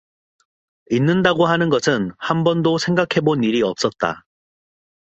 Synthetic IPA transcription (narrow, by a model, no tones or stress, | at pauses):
inːɯndaɡoɦanɯnɡʌsʰɯnhambʌndosʰe̞ŋɡakʰe̞boniɾiʌp̚s͈ʌt̚t͈a̰